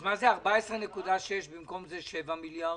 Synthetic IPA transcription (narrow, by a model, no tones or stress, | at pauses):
mazɛaʁbaɛsʁənɛkud̪aʃjɛʃbɪmkɔmzɛʃɛvamilja